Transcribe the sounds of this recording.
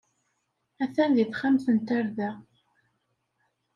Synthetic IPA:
æθænðiθχamθənt̪aɾðæ

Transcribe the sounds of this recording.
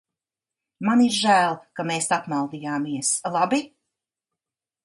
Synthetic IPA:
maniɾʒæːlˠkameːsapmalˠd̪iːjaːmiɛslˠabi

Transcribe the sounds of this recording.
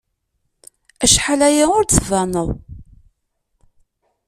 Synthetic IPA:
æʃħalæjaʊɾt͡sːəvænəðˤ

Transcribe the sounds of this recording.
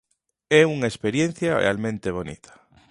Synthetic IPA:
ɛuŋaespeɾjẽn̟θjarḛalmẽnt̪eβ̞onḭt̪ʰḁ

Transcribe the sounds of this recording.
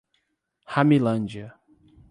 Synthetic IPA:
hamilɐ̃nd͡ʒiɐ

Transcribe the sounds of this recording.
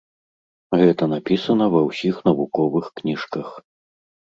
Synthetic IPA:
ɣɛt̪ɐnapʲisɐnɐvɐwsʲixnɐvukɔvɨxknʲiʂkɐx

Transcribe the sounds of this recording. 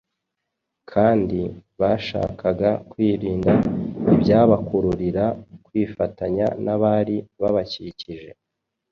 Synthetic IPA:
kʰaːndiβaʃa̰ːkʰaɡakwiːɾiːndaibjaːβakuɾuɾiɾakwiːfataɲa̰naβaːɾiβaβaciciʒe̞

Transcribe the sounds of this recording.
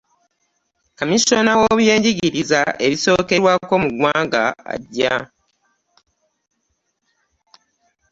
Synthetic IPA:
kamisonawoβje̞ːɲɟiɟiɾizaʔe̞βiso̞ːke̞ɾwako̞muɡwaːŋɡa̰a̰ɟːa̰

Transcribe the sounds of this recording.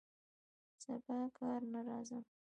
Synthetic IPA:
z̥əbakɑɾnaɾɑzəm

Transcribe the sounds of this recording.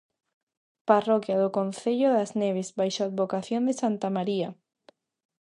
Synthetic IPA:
parokjaðokonθeʎoðazneβ̞ezbajʃoad̪βokaθjond̪esant̪amaɾia

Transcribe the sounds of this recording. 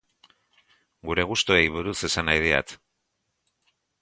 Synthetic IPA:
ɡuɾe̞ɣ̞ust̪uejβuɾuse̞sanajð̞ea̰t̪

